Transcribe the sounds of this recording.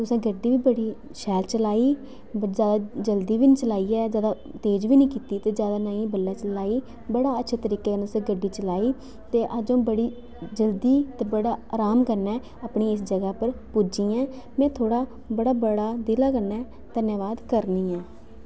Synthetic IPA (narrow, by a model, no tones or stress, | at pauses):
t̪ʊsẽːɡəɖːiːʋiːbəɽiː | ʃɛːlt͡ʃəlaːiː | zjaːd̪aːd͡ʒəld̪iːʋɪnt͡ʃəlaːiːɛːzjaːd̪aː | t̪eːd͡ʒʋiːnĩːkiːt̪iːt̪eːd͡ʒjaːd̪aːnaːĩːbəlːɛːt͡ʃəlaːiː | bəɽaːətːʃʰeːt̪əɾiːkeːkənːt̪ʊsẽːɡəɖiːt͡ʃəlaːiː | t̪eːʔad͡ʒõːbəɽiː | d͡ʒəld̪iːt̪eːbəɽaːaːɾaːmkəɾnɛː | aːpɳiːɪsd͡ʒəɡaːpəɾpud͡ʒiːɛː | mɛ̃ːt̪ʰoːɽaː | bəɽaːbəɽaːd̪ɪlaːkəɾnɛː | d̪̥ənjaːʋaːd̪kəɾniːɛː